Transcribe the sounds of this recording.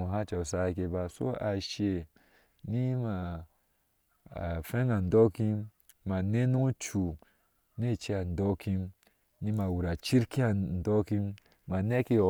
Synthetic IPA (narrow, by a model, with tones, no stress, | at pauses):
u˨ɦa˦t͡ʃa˨sa˦˨ke˧ba˧so̰˦a˨ʃe˨ | ni˦ma˨ | fe˦ŋa˨n̩˨dɔ˦ki˦m | ma˨ne˦nu˦t͡ʃu˨ | ne˦˨t͡ʃi˦a˨n̩˨dɔ˦ki˦m | ni˦ma˨wu˨ɾa˨t͡ʃi˦ɾki˦a˨n̩˨dɔ˦ki˦m | ma˨ne˦ki˦ɔ˨